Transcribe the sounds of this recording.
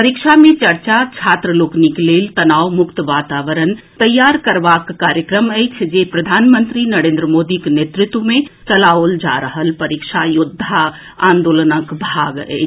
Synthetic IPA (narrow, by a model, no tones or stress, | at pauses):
pəɾikʃamẽt͡ʃɐɾt͡ʃat͡ʃʰaːt̪ɾəloːknikleːlt̪ɐnaːwmʊkt̪ʋaːt̪aːʋəɾənt̪ɐjːaːɾkəɾʋakːaːɾjəkɾəmɛt͡ʃʰd͡ʒepɾɐd̪ʱaːnmə̃nt̪ɾinəɾẽnd̪ɾəmoːd̪ikenet̪ɾɪt̪wəmẽt͡ʃɐlaold͡ʒa̰ɾəɦəlpəɾikʃajʊd̪ʱːa | ãːnd̪oːlənəkbʱaːɡɛ̰ːt͡ʃ